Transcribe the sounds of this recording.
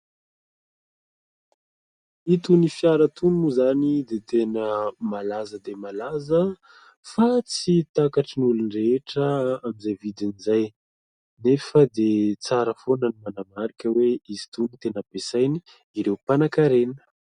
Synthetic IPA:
it̪unifjaɾət̪unuzanid̪et̪enəmalazəd̪emalazə | fat͡sit̪akaʈ͡ʂinulunireʈ͡ʂəamizajvid̪inizaj | nefəd̪et͡saɾəfonənimanamaɾikəweizi̥t̪unit̪enəpesajniː | ɾewpanakaɾenə̥

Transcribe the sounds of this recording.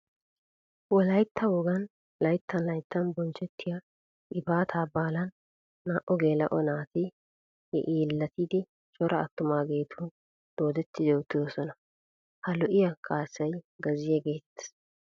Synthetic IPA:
wɔlɐjt̪ːɐwɔɡɐn | lɐjt̪ːɐnlɐjt̪ːɐnbɔnt͡ʃːɛt̪ːɪja | ʔɪbaːt̪ʰaːbaːlɐnː | aːʔɔɡe̞ːlɐ̰ʔɔnaːt̪ɪ | hɛ̰ʔiːlːɐt̪iːd̪ɪ | t͡ʃʼɔɾʔɐːt̪ːʊmaːɡe̞ːt̪ʰu | d̪̥o̞ːd̪ɛt̪ːɪd̪ɛwt̪ːɪd̪osɔnɐ | hɐlɔʔɪjɐkʼaːsːɐjɡɐzɪjɛɡe̞ːt̪ːɐ̥s

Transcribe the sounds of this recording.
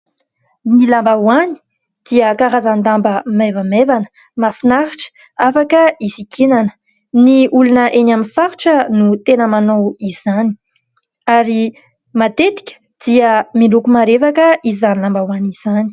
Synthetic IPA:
nilambawani̥ | d̪̥iəkaɾazand̪ambəmevəmevanə̥ | mafinaɾiʈ͡ʂə̥ | afakəisikʰenanə̥ | niulunəʔenaminfaɾiʈ͡ʂənut̪enəmanowiz̥ani̥ | aɾi | mat̪et̪i̥kʲə̥ | d̪̥iəmilukumaɾevakəizanilambawaniz̥ani̥

